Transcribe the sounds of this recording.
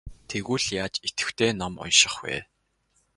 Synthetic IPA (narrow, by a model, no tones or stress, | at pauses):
t̪ʰeɣuːɮjaːt͡ɕet̪ɘ̥̆wt̪ʰeːnɔmʊ̰nʃɪ̆χwḛː